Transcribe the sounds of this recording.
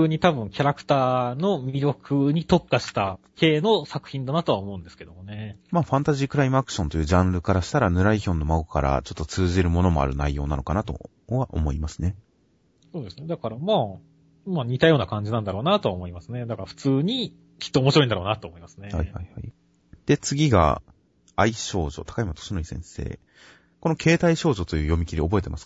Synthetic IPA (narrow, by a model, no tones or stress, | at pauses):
ɯːɲ̟it̪abɯ̟̃ŋkʲaɾakɯ̟̥t̪aːno̞mʲiɾʲjo̞kʰɯ̟ɲ̟it̪o̞kːaɕi̥t̪ake̞ːno̞sakɯ̟̥çʲĩnd̪anat̪o̞βaomo̞ɯ̟̃nd̪e̞sɨ̥ke̞d̪o̞̰mone̞maːɸãnt̪aʑiːkɯ̟ɾaimɯ̟akɯ̟̥ɕõ̞nt̪o̞jɯ̟ːʑãnɾɯ̟kaɾaɕi̥t̪aɾanɯ̟ɾaiçʲõ̞nːo̞maokaɾa̰t͡ɕo̞t̪ːo̞t͡sɨːʑiɾɯ̟mo̞no̞mo̞a̰ɾɯ̟naijo̞ːnano̞̰kanat̪o̞̰ | βaʔo̰mo̞imasɨ̥ne̞ | soːd̪e̞sɨned̪akaɾamaː | maːɲ̟it̪ajo̞ːnakãɲ̟d͡ʑinãnd̪aɾo̞ːnat̪o̞βaomo̞imasɨned̪akaɾaɸɯ̥t͡sɨːɲ̟i | kʲi̥t̪ːoːmoɕiɾoind̪aɾo̞ːnat̪oːmo̞imasɨ̥neha̰ihaiha̰i | d̪̥e̞t͡sɨɡʲiɡa̰ | aiɕo̞ːʑo̞̰t̪ḁkaimat̪o̥ɕinoisẽ̞̰ɰ̃se̞̰ː | ko̞nokʰe̞ːt̪aiɕo̞ːʑo̞t̪o̞jɯ̟ːjo̞mʲikʲiɾʲio̞bo̞e̞t̪emasɨ̥k